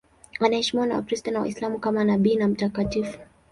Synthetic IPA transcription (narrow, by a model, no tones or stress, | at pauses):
anahɛʃimiwana̰wa̰kɾistanawa̰islamukamanaɓiːnam̩takatifu̥